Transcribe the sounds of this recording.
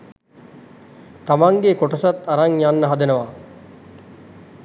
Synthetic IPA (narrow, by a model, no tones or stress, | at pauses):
t̪amaŋɡekoʈɐsat̪ːaɾaŋjanːəɦɐd̪enəʋa